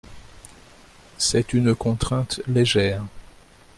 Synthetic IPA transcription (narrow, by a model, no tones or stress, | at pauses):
sɛt̪ynkɔ̃t̪χɛ̃t̪leʒɛːʁ